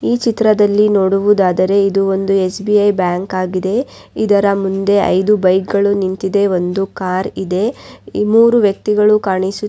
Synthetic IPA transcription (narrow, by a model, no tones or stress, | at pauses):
iːt͡ʃit̪ɾɐd̪ɐlːinoːɽuʋud̪aːd̪ɐɾe̞id̪uo̞nd̪ue̞sbiɐjbjaːŋkaːɡid̪e̞ | id̪ɐɾɐmund̪e̞ɐ̰jd̪ubɐjkɡɐɭunint̪id̪e̞o̞nd̪ukaːɾid̪e̞muːɾuʋjɐk̚t̪iɡɐɭukaːɳisu